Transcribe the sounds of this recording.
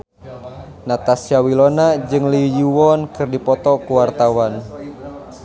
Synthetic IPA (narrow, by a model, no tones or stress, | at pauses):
nat̪asiawilonad͡ʒɨŋlijuwɔnkɨrdipɔt̪ɔkuwart̪awan